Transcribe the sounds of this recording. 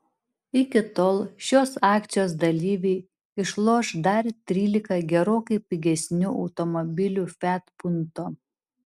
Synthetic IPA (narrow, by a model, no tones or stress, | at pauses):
ɪkʲɪt̪oːlˠʃʲoːsɑːkt̪sʲɪjoːsd̪ɐlʲiːʋʲɛɪ | ɪʃlˠoːʃd̪ɐɾt̪ʲɾʲiːlʲɪkɐɡʲɛɾoːkɐɪpʲɪɡʲɛsʲnʲʊʔɒʊt̪ɔmɔbʲɪlʲufʲæt̪pʊnt̪oː